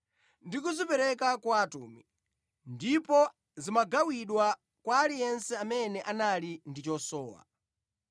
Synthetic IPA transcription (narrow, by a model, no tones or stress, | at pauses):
ndikuzipɛɾɛkakwaːtṵːmi | ndipɔ | zimaɡawiɗwa | kwaːlijɛnsɛamɛnɛʔanalindit͡ʃɔsɔːwa̰